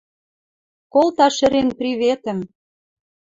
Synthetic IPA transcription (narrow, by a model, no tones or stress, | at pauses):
kolt̪ɑʃɘ̆ɾenprʲiβet̪ə̆m